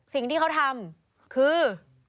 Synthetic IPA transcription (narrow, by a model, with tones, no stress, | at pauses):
si˨˩ŋt̪iː˥˩ka˦˥wt̪ʰa˧m | kʰɯː˧